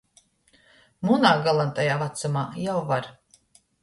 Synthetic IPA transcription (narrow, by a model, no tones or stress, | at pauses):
munaːɡalˠant̪ajaːvat̪samaːjawvaɾ